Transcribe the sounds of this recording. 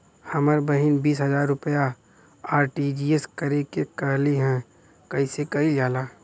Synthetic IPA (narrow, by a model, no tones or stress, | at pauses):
hɐməɾbəɦɪnbiːsɦɐzaːɾːʊpəja | aːɾʈiːd͡ʒiːeskɐɾekekəɦliɦɛ̃ | kɐisekɐid͡ʒaːlaː